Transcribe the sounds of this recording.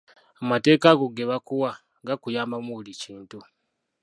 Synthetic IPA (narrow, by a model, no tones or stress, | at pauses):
amate̞ːkaɡo̞ɡe̞βakuwa | ɡakujaːmbamuβuliciːntu